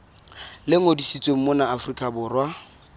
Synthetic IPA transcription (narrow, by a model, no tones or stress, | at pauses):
lɪŋodisit͡sʼwem̩monaːfrikʼabʊːrwa